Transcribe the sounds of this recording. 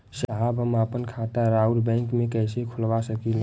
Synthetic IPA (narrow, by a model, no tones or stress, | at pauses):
ʃaɦabɦəmaːpənkʰat̪aɾaʊʈbɛ̃ːŋkmẽkɛːsekʰʊlʋasəkil